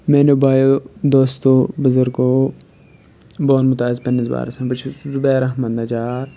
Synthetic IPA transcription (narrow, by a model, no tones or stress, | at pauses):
meːnebaːjod̪oːst̪oːbɐzɐɾkoː | boːnmʊt̪aːzpɐnːizba̰ːɾɐsɐ̃pɐt͡ʃʰizʊbɛːɾɐɦmɐnd̪ɐt͡ʃaːɾ